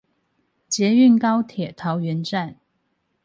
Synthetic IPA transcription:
t͡ɕjɛ˨˧˥y˥˩nkɑ˥ʊt̪ʰjɛ˨˩t̪ʰɑ˧˥ʊɥɛ˧˥nʈ͡ʂa˥˩n

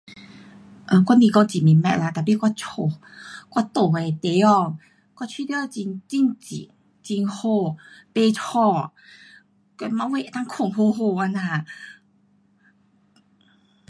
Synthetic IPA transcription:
ʔə˧˩kwa˥nĩ˧kɔ˧ŋt͡ɕi˨˩mi˨˩˨mɛ̰˧ʔ̚la˧t̪a˨˩pi˧˩kwa˧t͡ɕʰo˧˩ | kwa˥˧˩t̪o˨˩e˨˩t̪e˨˧˦ɔ˧ | kwa˥˩t͡ɕʰi˥˧t̪jt͡ɕi˧nt͡ɕi˥˧nt͡ɕḭ˨ | t͡ɕi˧nho˧pe˧t͡ɕʰɔ˥˧˩ | ke˧mã˧˦we˧˨ʔe˨˧˩t̪a˥ŋkʰo˨˩ŋho˧ɦo˧˩wa˧nã˧˩˨

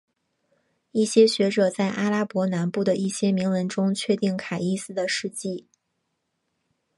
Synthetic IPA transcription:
i˥˩ɕjɛ˥ɕɥɛ˧˥ʈ͡ʂɤ˨˩t͡sa˥˩ɪʔa˥la˥pwɔ˧˥na˧˥npu˥˩d̪ə˩ʔi˥˩ɕjɛ˥mi˧˥ŋwə˧˥nʈ͡ʂʊ˥ŋt͡ɕʰɥɛ˥˧t̪i˥˩ŋkʰa˨˩ɪi˥˧sɹ̩˥d̪ə˨ʂɻ̩˥˧t͡ɕi˥˩

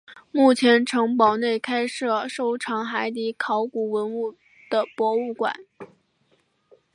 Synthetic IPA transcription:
mu˥˩t͡ɕʰjɛ˧˥nʈ͡ʂʰɤ˧˥ŋpɑ˨˩ʊne˥˩ɪkʰa˥ɪʂɤ˥˩ʂo˥˩ʊʈ͡ʂʰɑ˧˥ŋxa˧˥ɪt̪̬i˧˥kʰɑ˧˥ʊku˨˩wə˧˥nu˥˩ | d̪̥ə˩pwɔ˧˥u˥˩kwa̰˨˩˦n

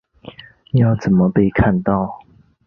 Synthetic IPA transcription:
jɑ˥˨ʊt͡sə˨˩nmə˦pe˥˧ɪkʰa˥˧˨nt̪ɑ˥˨ʊ

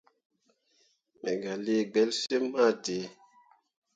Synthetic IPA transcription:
me˨ɡa˨le˦˨ɡ͡bɛ˨˦lse˦ma˦˨de˨˦

